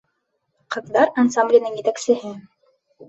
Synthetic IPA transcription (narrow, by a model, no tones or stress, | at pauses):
qɤ̆ðdɑɾɑnsamblʲɪjə̆nɘŋjɘ̆t̪æksɘ̆ɦɘ